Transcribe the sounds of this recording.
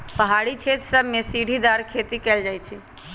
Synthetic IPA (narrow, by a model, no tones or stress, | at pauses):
pəɦaɽit͡ʃʰet̪səbmesiɽʱid̪aɾkʰet̪ikɛld͡ʒajt͡ʃʰi